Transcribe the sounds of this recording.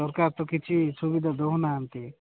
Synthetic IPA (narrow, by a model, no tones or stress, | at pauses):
ɔɾkaɾt̪okit͡ʃʰisubid̪ʱad̪oɦunaːnt̪i